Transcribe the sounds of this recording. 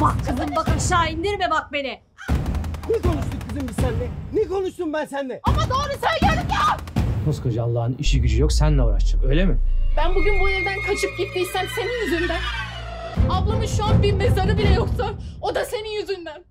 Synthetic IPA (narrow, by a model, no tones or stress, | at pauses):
bakkʰɯzɯmbakɯmʃaːind̪iɾmɛbak̚be̞nɪ | nɛkʰo̞nuʃt̪uk̚bizimbisænlɛnɛkʰo̞nuʃt̪umbænsænd̪ɛamad̪aːɾɯsænɟæɾiapʰoskʰad͡ʒɯalˠːaːhɯniʃiɟyd͡ʒyjo̞ksænlʲɛuɾa̰ʃt̪ɯmø̞jlʲemɪbænbuɟʲynbujiɾd̪ænkʰat͡ʃʰɯp̚ɟit̪ːisænse̞ninjyzynd̪æn | ablˠamɯʃːuanbiɾmezaɾɯbilʲɛjoksano̞d̪ase̞ninjyzynd̪æn